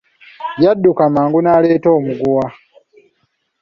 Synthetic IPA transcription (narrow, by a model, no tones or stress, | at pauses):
jadːukamaːŋɡunaːleːto̞ːmuɡuwa